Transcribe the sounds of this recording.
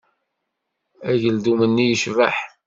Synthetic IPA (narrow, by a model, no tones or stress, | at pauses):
æʝəld̪umənːijəʃvæ̰ħ